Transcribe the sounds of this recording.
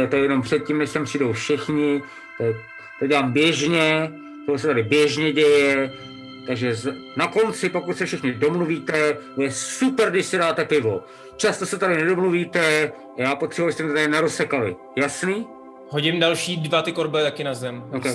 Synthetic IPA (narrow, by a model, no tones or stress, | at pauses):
t̪ojɛjɛno̞mpr̥ɛt̪̚cimnɛʃt̪ampr̥iːdowfʃɪxɲɪ | t̪o | t̪oɟɛlaːmbjɛʒɲɛ | t̪oɦosɛt̪adɪbjɛʒɲɛɟɛjɛ | t̪aɡʒɛz | nako̞nt͡sɪpo̞kut̪sɛfʃɪxɲɪdo̞mluviːt̪ɛojɛssupɛɾɡdɪʃsɪdaːt̪ɛpɪvo̞ | t͡ʃast̪o̞sɛt̪adɪnɛdo̞mluviːt̪ɛ | ajaːpot̪r̥ɛbuabɪst̪ɛmt̪t̪adɪnɛɾosɛkalɪ̰ | jasniː | ɦoɟɪmdalʃiːdvat̪ɪkoɾbɛt̪akɪnazɛmokɛ